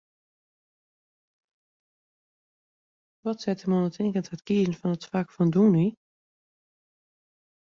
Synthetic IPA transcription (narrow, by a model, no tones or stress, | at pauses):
ʋɔtsɛtəmonətʰɪŋkənthətkiːzn̩fɔnətfakfɔnduni